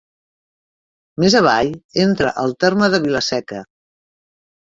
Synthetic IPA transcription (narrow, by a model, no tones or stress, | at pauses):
mezəβ̞ajent̪ɾəʔəlˠt̪erməðəβiləsɛkə